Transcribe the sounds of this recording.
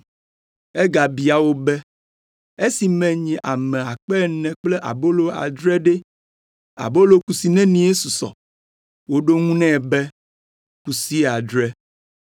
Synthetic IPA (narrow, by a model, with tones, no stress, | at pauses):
ɛ˦ɡa˨bi˨a˨wo˦bɛ˦ | e˦si˨mɛ̃˨ɲɛ̃˨ʔa˨mɛ̃˨a˨k͡pɛ˦˨nɛ̃˨k͡plɛ˦ʔa̰˨bo˦lo˨a̰˨d̪ɾɛ˦ɖe˦ | a̰˨bo˦lo˨ku˨si˨nɛ̃˦nĩ˦je˦su˨sɔ̰˨ | wo˦ɖo˦ŋũ˦nɛ̃˦˨bɛ˦ | ku˨si˦˨a˨d̪ɾɛ˦